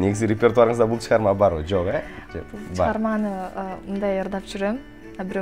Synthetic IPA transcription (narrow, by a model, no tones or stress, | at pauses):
neɡʲɪzɡɪɾʲep̬ʲe̞rt̪uaɾəɴəzd̪ɑbʊlˠt͡ʃʰəʁɑɾmɑbɑɾwoʒoqe | bɑɑɾmɑnəmʊnd̪ɑjəɾd̪ɑpʒʏɾemɪ | ɑbɪɾ